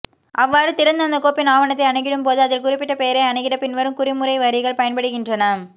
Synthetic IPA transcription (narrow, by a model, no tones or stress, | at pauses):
ʔɐʋːaːɾɯt̪ɪɾɐnd̪ɐnd̪ɐkoːpɪnaːʋɐnɐt̪ːɐɪɐɳɐɣɪɽɯmpoːðɯɐðɪlkʊrɪpːɪʈːɐpeːɾɐɐɳɐɣɪɽɐpɪnʋɐɾɯmkʊɾɪmʊɾɐɪʋɐɾɪɣɐɭpɐjɐnpɐɽɯɣɪndrɐnɐ